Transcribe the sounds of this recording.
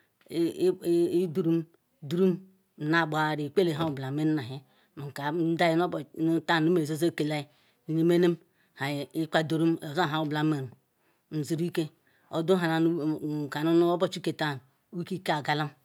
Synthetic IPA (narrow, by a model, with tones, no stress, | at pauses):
du˨ɾu˦m˦ | du˦ɾu˦m˨ | na˨bʷa˨ɾi˨k͡pe˦le˨ɦa˦u˨bla˨me˦n˦na˨ɦe˦ | mu˨ka˨˦da˦ji˦no˦bn˦ta˦˨u˦me˨zo˦zo˦˨ke˨la˦i˨˦ | ni˦me˦ne˦m | ha˨i˦ka˦do˨ɾu˦mo˨za˦˨ɦa˨˦u˨bla˨˦me˨ɾu˨ | n̩˨zi˨ɾu˦i˦ke˦ | o̰˨du˦a˨na˨˦˨ka˨nu˦n˦o˦bo˦t͡ʃu˦ke˨ta˦˨n˨˦u˦ki˦ka˦˨ɡa˨la˦